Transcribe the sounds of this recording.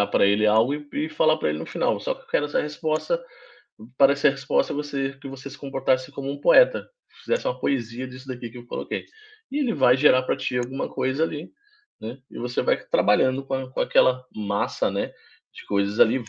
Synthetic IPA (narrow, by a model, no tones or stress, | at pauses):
apɾɐelɪawɡʊɪɪfalapɾɐelɪnʊfina̰wsɔkɪewkɛɾʊɛsɐhespɔst̪ɐ | paɾɐɛsɐɦespɔst̪ɐvosekɪvosesɪ̥kõmpoɾt̪asɪkõmʊũpoɛt̪ɐ | fizɛsɪũmɐpoeziɐd͡ʒis̬ʊd̪akiʊkɪewko̰lʔo̰kejɪelɪvajʒeɾapɾɐt͡ʃiawɡũmɐkʰojzɐali | nɛɪ̰vosevajt̪ɾabaʎɐ̃nd̪ʊkõkõakɛlɐmasɐnɛ | d͡ʒɪkojzɐzali